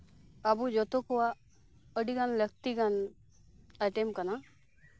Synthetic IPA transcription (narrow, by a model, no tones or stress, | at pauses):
abud͡ʒɔt̪okuwa | əɖikanlək̚t̪iɡan | əʈemp̚kana